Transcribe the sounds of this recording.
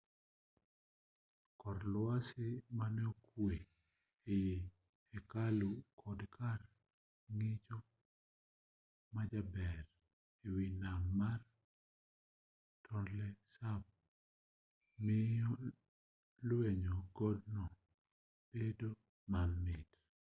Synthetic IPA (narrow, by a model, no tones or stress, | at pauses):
kɔɾlasɪmanɛokwe | ejeː | kalukʰɔdkʰar | ŋɪt͡ʃo | mad͡ʒabɛr | ewinamːar | tʰɔndlɛsab̚ | mɪɔ | lweɲoɡɔdnɔ | b̥edo | mamːɪd